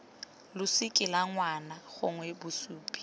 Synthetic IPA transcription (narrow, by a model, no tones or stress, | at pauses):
lʊsɪkʼɪlaŋwanaɣʊ̰ŋwɛbʊsuːpʼi̥